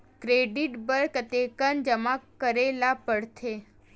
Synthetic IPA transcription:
kɾeɖiʈbəɾkt̪ekənd͡ʒəmakəɾelapəɽt̪ʰe

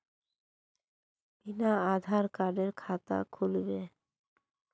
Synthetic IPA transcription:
b̥inaad̪ʱaɾkaɖeɾkʰat̪a̰kʰulbe

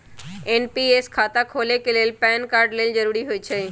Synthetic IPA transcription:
enpieːskʰaːt̪akʰoːlekeleːlpɛːnkaːɾɖleːld͡ʒəɾuːɾiɦoit͡ʃʰei

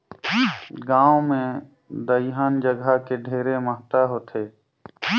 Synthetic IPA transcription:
ɡãːõmẽ | d̪əɪɦaːnd͡ʒəɡakeɖʱeːɾeməɦt̪aɦoːt̪ʰeː

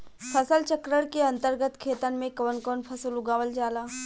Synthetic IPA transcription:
pʰɐsəlt͡ʃəkɾəɽkeɐ̃nt̪əɾɡət̪kʰeːt̪ənmẽkɐʋənkonpʰɐsəlʊɡaːʋəld͡ʒaːlaː

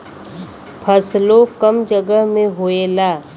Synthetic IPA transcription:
pʰəslokəmd͡ʒəɡəɦmẽɦoːelaː

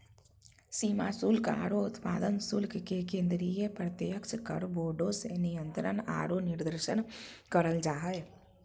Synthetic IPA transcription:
siːmaːsulka̰ːɾoʊt̪pa̰ːd̪ənsulkkekẽːnd̪ɾijepɾət̪jjəkt͡ʃkə̰ɽboːɖoːsenijənt̪ɾəna̰ːɾonɪɾd̪əɾʃənkəɾəld͡ʒaːɦəe

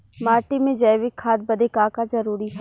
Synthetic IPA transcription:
maːɾʈimẽd͡ʒɐɪʋɪkʰːaːd̪̚bɐd̪ʱekaːkazɐɾuːɾiɦɛ

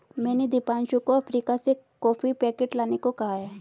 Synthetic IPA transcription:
mɛ̃ːned̪ipaːnʃukoɐpʰɾiːkasekɔːfʰipɛːkeʈlaːnekokɐɦaɦaː

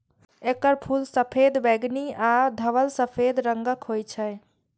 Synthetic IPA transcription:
ekəɾpʰulsəpʰed̪bɛɡniad̪ʱəʋəlsəpʰed̪ɾəŋɡəkɦojt͡ʃʰəj

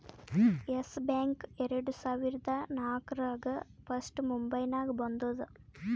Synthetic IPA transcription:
esbaːŋkɛɾɐɽusaːʋiɾd̪ʱɐnaːkɾaːɡɐpɐsʈmumbɐjnaːɡɐbɐnd̪oːd̪u

